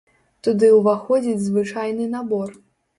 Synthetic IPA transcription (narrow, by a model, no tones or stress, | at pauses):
t̪ud̪ɨwvaxɔd͡zʲid͡zʲzvɨt͡ʂajnɨnabɔr